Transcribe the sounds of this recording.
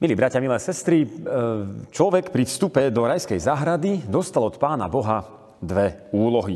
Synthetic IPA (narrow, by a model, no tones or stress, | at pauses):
miliːbɾacɪamilɛːsɛst̪ɾi | t͡ʃlɔʋɛkpɾifst̪upɛd̪ɔɾajskɛjzaɦɾad̪id̪ɔst̪alɔt̪paːna̰bɔɦa | d̪ʋɛuːlɔɦi